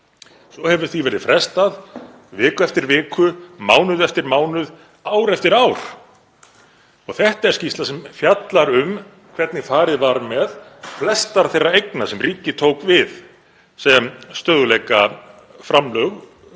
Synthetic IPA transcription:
sɔhɛvʏɾ̥θivɛɾɪðfɾɛst̪að | vɪːkʏɛft̪ɪɾvɪːkʏmaːwnʏðɛft̪ɪɾmaːwnʏð | aːwɾɛft̪ɪɾaːwɾ̥ | ɔɣθɛht̪aɛɾ̥scist̪lasɛmfjat̪laɾʏm | kʰvɛɾt̪nɪfaːɾɪðvaɾmɛðflɛst̪aɾ̥θejrːaejknasɛmriːcɪt̪ʰowkvɪð | sɛmst̪œðʏlejka | fɾamlœɣ

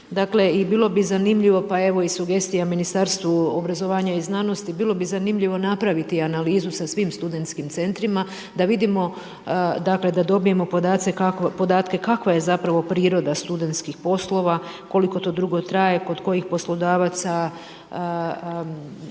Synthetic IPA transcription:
d̪akle̞ibiːlo̞bizanimʎiʋo̞pae̞ʋo̞isuɡe̞st̪ijaminist̪aɾst̪ʋuobɾazo̞ʋaːɲaiznaːno̞st̪ibilˠo̞bizanimʎiʋo̞napɾaʋit̪ianaliːzusasʋimst̪ud̪e̞nt̪skimt̪se̞nt̪ɾima | d̪aʋid̪imo̞ | d̪akle̞d̪ad̪o̞bije̞mo̞po̞d̪aːt̪sekakpo̞d̪aːt̪ke̞kakʋaje̞zapɾaʋo̞pɾiːɾo̞d̪ast̪ud̪e̞nt̪skixpo̞slˠo̞ʋa | ko̞liko̞t̪o̞ːd̪ɾuɡo̞t̪ɾaje̞ko̞d̪ko̞jixpo̞slˠo̞d̪aːʋat̪sa

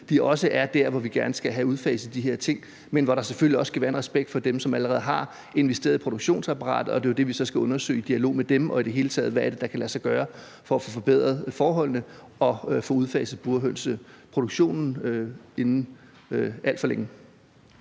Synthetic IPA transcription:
d̥iɒ̽səʔæɐd̥æɐʋɒʋiɡ̥æɐnəsɡ̥æɦæuð̞ˠfɛ̰ːɪsð̩ˠd̥iɦe̝ɐ̰t͡sʰe̝ŋ̰ | menʋɒɾɑ̈seføl̰iɒ̽skʰæʋæːɐenʁɛsb̥eɡ̥̚d̥fɒ̽d̥emsɒ̽mæləʁɛːð̩ˠɦɑ̈ | e̝nʋesd̥e̝ɐðˠipʰo̝ɾo̝ɡ̥ɕo̝̰ːnsɑpʰɑʁɑ̰̈ːd̥ð̩ˠɒ̽d̥e̝od̥e̝ʋisɒ̽sɡ̥æɔ̽nɐsø̰ːɪid̥iælo̝̰ːmed̥emʔɒ̽id̥e̝ɦe̝ːlət͡sʰɛ̰ːð̞̩ˠʋææɐd̥e̝d̥ɑ̈kʰælæsɑ̈ɪɡ̥ɶːɐ | fɒ̽ːfɔfɒ̽b̥eð̞̰ˠʁɐðˠfɒːɦɒ̽l̰nə | ɒ̽fɔ̽uð̞ˠfɛ̰ɪs̩ˠb̥uɐɦøn̰səpʰʁo̝d̥o̝ɡ̥ɕo̝̰ːnn̩e̝nn̩ | æl̰d̥fɒleŋ

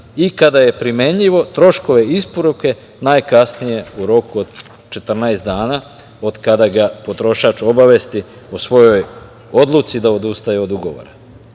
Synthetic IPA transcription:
ikad̪aje̞pɾime̞ɲʎiʋo̞t̪ɾo̞ʃko̞ʋe̞ispo̞ɾuke̞ | najkasnije̞uɾo̞kuod̪ | t͡ʃe̞t̪r̩naest̪d̪aːnaː | o̞d̪kad̪aɡapo̞t̪ɾo̞ʃaːt͡ʃo̞baʋest̪i | osʋo̞jo̞j | o̞d̪lˠut̪sid̪ao̞d̪ust̪ajeo̞d̪uɡo̞ʋo̞̰ɾa

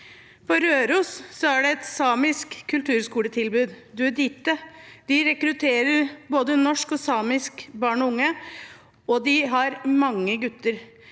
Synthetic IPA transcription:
pɔɾøːɾuːssɔæɖɛɛt̪sɑːmɪskʰːʉlt̪ʰʉːɾskuːlət̪ʰɪlbʉːd̪d̪ʉæd̪iːt̪ːəd̪̥ɪɾɛkɾʉt̪ʰeːɾəɾboːd̪ənɔʂkɔsɑːmɪskbɑːɳɔʊŋːə | ɔd̪ɪɦɑɾmɑŋːəɡʉt̪ːəɾ

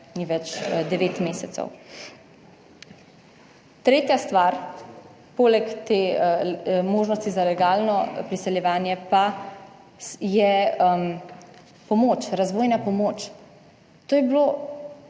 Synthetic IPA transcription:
niʋɛt͡ʃd̪ɛʋeːt̪meːsɛt̪sɛ̰w | t̪ɾeːt̪jast̪ʋaɾ | poːlɛkt̪eː | moːʒnɔst̪izalɛɡaːlnɔpɾisɛljɛʋaːnjɛpa | jɛ | pɔmoːt͡ʃɾazʋoːjnapɔmoːt͡ʃ | t̪oːjɛblo

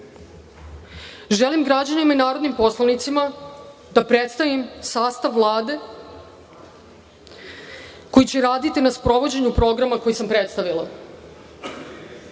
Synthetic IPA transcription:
ʒelimɡɾad͡ʑanimainaːɾod̪nimpo̞slˠanit̪simad̪apɾet̪st̪aʋimsaːst̪aʋːlˠaːd̪e̞ | ko̞jit͡ɕeɾaːd̪it̪inaspɾo̞ʋo̞d͡ʑe̞ɲupɾo̞ɡɾamako̞jisampɾet̪st̪aʋilˠa̰

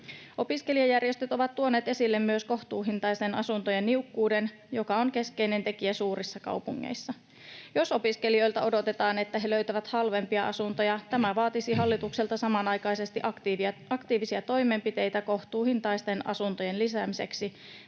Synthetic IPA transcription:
o̞piske̞liɑjærje̞st̪yt̪o̞ʋɑt̪ːuo̞ne̞ːt̪e̞silːe̞mːyøsko̞ht̪uːɦint̪ɑjst̪e̞nɑ̰sunt̪ojenːiukːuːde̞n | jo̞kɑo̞ŋke̞ske̞jne̞nt̪e̞kiæsuːɾisːɑkɑ̰wpuŋːḛjsːɑ | jo̞sopiskelio̞jlt̪ɑo̞do̞t̪e̞t̪ɑːne̞t̪ːæɦe̞lø̞ɥt̪æʋæt̪hɑlʋe̞mpiɑʔɑ̰sunt̪ojɑt̪æmæʋɑːt̪isiɦɑlːit̪ukselt̪ɑsɑmɑnɑjkɑjse̞st̪iʔɑkt̪iːʋisiɑt̪o̞jme̞mpit̪e̞jt̪æko̞ht̪uːhint̪ɑjst̪e̞nɑ̰sunt̪oje̞nlisæmise̞ksi

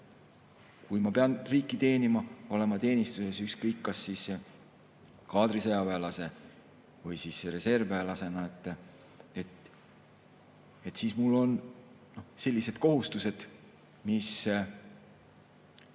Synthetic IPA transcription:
kujmɑpe̞ɑnriːkːit̪e̞ːnimɑo̞le̞mɑt̪e̞ːnist̪use̞sykskɤjkːɑsːiːs | kɑːd̪ɾisejɑvelɑse̞ | vɯjsiːsɾe̞se̞rvelɑse̞nɑet̪ˑː | et̪ | et̪siːsmulːo̞n | no̞hse̞lʲːise̞d̪̥̚ko̞ɦust̪use̞d̪̥ | mis

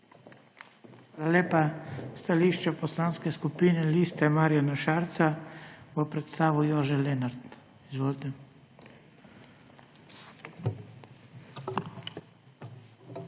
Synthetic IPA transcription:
xʋaːlalʲjeːpast̪aliʃt͡ʃaposlaːnskɛskupinɛliːst̪ɛmaːɾijanaʃaːɾt̪saʋɔpɾɛt̪st̪aːʋujoʒɛlɛnaɾt̪ | izʋoːlt̪ɛ

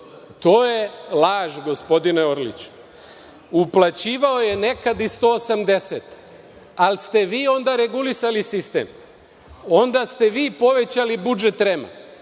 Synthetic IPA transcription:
t̪o̞ːjelaːʒɡo̞spo̞d̪ineoɾlḭt͡ɕu̥ | uplˠat͡ɕiːʋao̞jene̞kad̪ist̪o̞ːsamd̪e̞set̪ | alst̪e̞ʋiːo̞nd̪aɾeɡulisalisist̪ḛm | o̞nd̪ast̪e̞ʋiːpo̞ʋe̞t͡ɕalibud͡ʒe̞t̪ɾema̰

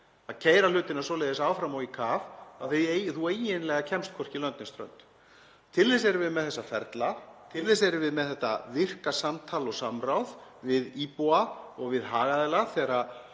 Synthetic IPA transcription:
aðcʰeːjɾalʏːt̪ɪnḁsɔlejðɪsaːwfɾamɔɣikʰaːvaðθeθueːjɪnlɛɣacʰɛmst̪kʰɔr̥cɪlœnt̪nɪnst̪ɾœ̰nt̪ | t̪ʰɪlːejsɛɾɪvɪðmɛðθɛsːafɛɾt̪lat̪ʰɪlðes̬ɛɾvɪðmɛðθɛht̪ːa̰vɪr̥kasamt̪ʰaːlɔɣsamrawðvɪðipuaɔɣvɪðɦaːɣaðɛlaθɛːɾa

